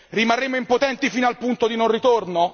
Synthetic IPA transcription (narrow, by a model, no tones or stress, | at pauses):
rimarːeːmoimpot̪ɛnt̪ifiːnoalpunt̪od̪inonrit̪orno